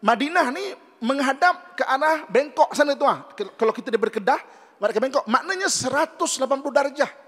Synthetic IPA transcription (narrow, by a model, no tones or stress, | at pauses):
madinahni | məŋɦadap̚kəʔaɾahbɛŋkɔʔsanɡit̪̬uahkalakit̪adibərkədah | maɾakabeŋkɔʔmaʔnaɲasəɾat̪ʊslap̬anpludard͡ʒah